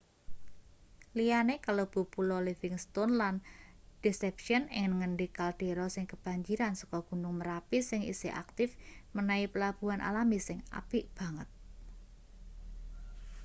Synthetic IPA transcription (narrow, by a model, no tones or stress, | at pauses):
lijanekalob̥ṳpulɔlivɪŋst̪onland̥isɛpʃiɔnɪ̰ŋnəŋənɖikald̪̥e̤ɾɔsɪŋkəb̥a̤ɲd͡ʒiɾansɔ̥kɔɡ̥ṳnʊŋməɾapisɪŋḭsḛʔa̰k̚t̪ɪfmənaipəlab̥uanʔa̰lamisɪŋa̰piʔb̥ä̤ŋət̪̚